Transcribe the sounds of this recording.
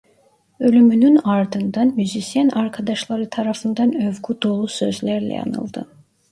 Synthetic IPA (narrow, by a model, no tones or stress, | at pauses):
ø̞lʲymynynaɾd̪ɯnd̪anmyzisijænaɾkʰad̪aʃlˠaɾɯt̪ʰaɾafɯnd̪anøvɡud̪o̞lˠusø̞zlʲæɾlʲɛ̰ja̰nɯ̰lˠd̪ɯ